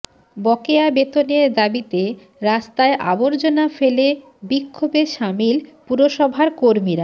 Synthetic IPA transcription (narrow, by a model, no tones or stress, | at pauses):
bɔkeabet̪oneɾd̪abit̪e | ɾast̪aeʔa̰boɾd͡ʑonafele | bikʰːobeʃamilpuɾoʃɔbʱaɾkoɾmiɾa